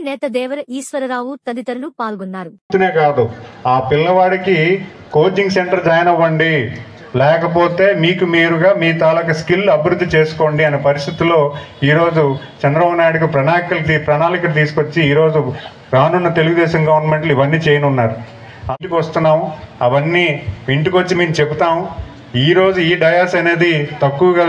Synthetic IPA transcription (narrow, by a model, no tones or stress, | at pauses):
nɛːt̪ɐd̪ɛːʋɐɾɐiːʃʋɐɾɐɾaːʋut̪ɐd̪it̪ɐɾɐlupaːlɡonːaːɾu | t̪uneːkaːd̪uaːpilːɐʋaːɽiki | ko̞ːd͡ʒiŋɡse̞ɳʈɐɾd͡ʒɐjɐnɐʋːɐɳɖi | lɛːkɐp̬o̞ːt̪e̞ːmiːkumiːɾuɡaːmiːt̪aːlɐkɐskilːuɐbiɾud̪ʱːit͡ʃe̞ːsu̥ko̞ːɳɖiɐneːpɐɾist̪ʰit̪ulːo̞ːiːɾo̞ːd͡ʒu | t͡ʃɐnd̪ɾɐbɐbnaːjɽukipɾɐnaːnikɐlt̪ipɾɐnaːlikɐlut̪̬iːsukot͡ʃːiiːɾo̞ːd͡ʒu | ɾaːnunːɐt̪e̞luɡud̪ɛːʃɐmɡɐʋɐɾnme̞ɳʈluiʋɐnːiːt͡ʃɛːjɐnunːaːɾu | ɐt̪ikʋɐst̪unːaːmɐʋɐnːiːiɳʈikot͡ʃːimeːmut͡ʃeput̪aːm | iːɾo̞ːd͡ʒuiːɖɐjaːsɐneːd̪it̪ɐkːuʋɐɡa